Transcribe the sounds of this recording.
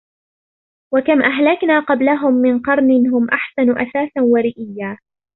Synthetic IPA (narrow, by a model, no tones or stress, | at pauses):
wakamʔaɦlaknaːqɑblaɦʊmːɪnqɑɾˤnɪnɦʊmʔaħsanʊʔa̰saːsanwaɾɪʔɪjːaː